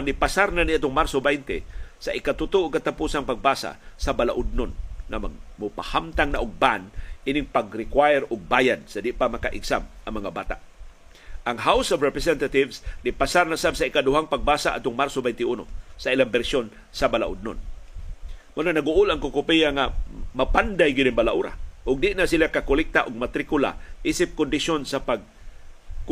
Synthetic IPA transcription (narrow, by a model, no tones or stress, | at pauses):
nɪpasaɾnaniat̪ʊŋmaɾsobɛjnt̪ɪsaʔɪkat̪ʊt̪uʔokat̪apusaŋpaɡ̚basa̰sabala̰ʔʊd̪̚nʊnŋama̰ɡ̚mʊpahamt̪aŋnaʔʊɡ̚banʔinɪŋpaɡɾɪkwajɛɾʊɡ̚bajad̪̚sad̪ɪʔpamakaʔɪ̰ɡsamʔaŋmɐŋabaːt̪a̰ʔ | ʔaŋɦawsɔvɾɛpɾɛsɛnt̪at̪ɪvsdɪpasaɾnasabsaikadʊɦaŋpaɡ̚basa̰ʔa̰ʊŋmaɾsobɛjnt̪ɪuno̰sailaŋbɛɾsjon | sabala̰ʔʊ̰d̪̚no̰n | mʊnanaɡʊʔʊlaŋkʊkʊpiaŋamapand̪ajɡɪdɪnbalaʔṵɾa̰ʔʊɡ̚d̪ɪʔnasilakakʊlɪk̚t̪aʔʊɡ̚mat̪ɾɪkʊla̰ʔisɪp̚kʊnd̪ɪʃonsapaɡ̚